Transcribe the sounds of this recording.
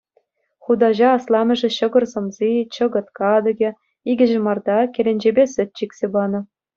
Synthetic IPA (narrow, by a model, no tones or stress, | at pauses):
χud̪ɑʑɑːslˠɑmʲɘ̆ʐɘ̆ɕɤ̆ɡɤ̆rzɤ̆mzit͡ɕɤ̆ɡɤ̆t̪kɑd̪ɤ̆ɡʲĕ | iɡʲɘ̆ʑɘ̆mɑrd̪ɑkʲelʲenʲd͡ʑebʲesɘ̆t̪̚ʲt͡ɕikʲsʲebɑnɤ̆